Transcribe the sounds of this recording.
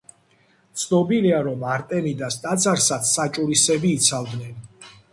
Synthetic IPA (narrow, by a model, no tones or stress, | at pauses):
t̪sʰnɔbiliaɾɔmaɾt̪ʼɛnid̪ast̪ʼat̪sʰʼaɾsat̪ssat͡ʃʼuɾisɛbiːt̪sʰavd̪nɛn